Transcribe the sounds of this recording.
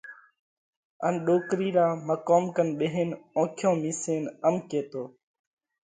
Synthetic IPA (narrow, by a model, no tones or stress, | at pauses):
ənɗoːkɾiːɾaːməkoːmkənɓeɦeːnõːkʰjõːmiːseːnəmkeːt̪oː